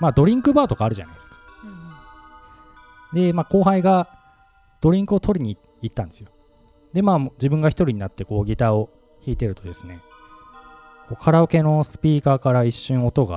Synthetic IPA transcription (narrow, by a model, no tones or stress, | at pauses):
maːd̪o̞ɾʲĩŋkɯ̟baːt̪o̞kaːɾɯ̟ʑa̰na̰jd̪esɨ̥kḁ | d̪e̞maːko̞ːɦaiɡa | d̪̥o̞ɾʲĩŋkɯ̟o̞t̪o̞ɾʲiɲ̟i | it̪ːãnd̪e̞sɨjo | d̪e̞maːmd͡ʑibɯ̟̃ŋɡaçi̥t̪o̞ɾiɲ̟inat̪ːe̞ko̞ːɡʲit̪ao̞ | çiːt̪e̞ɾɯ̟t̪o̞d̪e̞sɨ̥ne̞ | ko̞ːkʰaɾaoke̞no̞sɨ̥pʲiːkaːkaɾaiɕːɨ̃ɰ̃o̞t̪o̞ɡa̰